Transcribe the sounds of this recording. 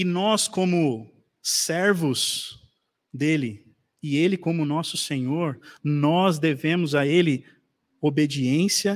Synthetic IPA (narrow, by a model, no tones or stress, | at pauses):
ɪnɔskõmʊ | sɛɾvʊz | d̪elɪ | ɪelɪkõmʊnɔsʊsẽɲoɾnɔzd̪evẽmʊzaelɪ | obed͡ʒiẽsjɐ